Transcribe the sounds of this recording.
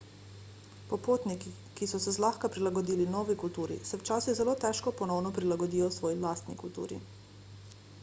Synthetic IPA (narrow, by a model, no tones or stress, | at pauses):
pɔpoːt̪niki | kisɔsɛzlaxkapɾilaɡɔd̪iːlinɔːʋikult̪uːɾḭsɛwt͡ʃaːsiɣzɛloːt̪ɛːʃkɔpɔnɔwnɔpɾilaɡɔd̪iːjɔsʋɔːjilaːst̪nikult̪ṵːɾḭ